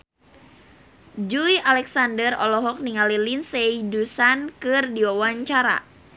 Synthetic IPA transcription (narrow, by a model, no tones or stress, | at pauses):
d͡ʒujalɛksandərɔ̰lɔɦɔk̚niŋalilinseidusankɨrdiwawaɲt͡ʃaɾa̰